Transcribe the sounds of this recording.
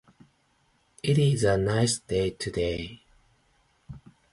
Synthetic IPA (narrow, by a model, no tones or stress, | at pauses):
ɪɾɪzənaɪsd̥eɪtʰɨdeɪ